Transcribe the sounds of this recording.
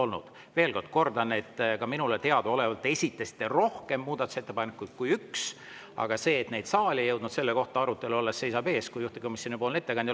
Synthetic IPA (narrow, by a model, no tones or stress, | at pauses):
o̞lnṵd̪̥ | ve̞ːlko̞rd̪̥ko̞rd̪ɑne̞t̪ːˑkɑminulet̪e̞ɑd̪̥oo̞le̞vɑlt̪ːˑesʲit̪ːˑesi̥t̪ːˑero̞hke̞mːuːd̪ɑt̪ːu̥se̞t̪ːe̞pɑnekːˑud̪̥̚kujyks | ɑ̰ɡ̥ɑse̞ːt̪ne̞jd̪̥sɑːlʲejɤwd̪nud̪se̞lːe̞ko̞ht̪ɑɑɾut̪ːˑe̞luo̞lːesːe̞jsɑbe̞ːskujuht̪iko̞misʲjonipo̞ːlne̞t̪ːekɑnd̪̥ʲ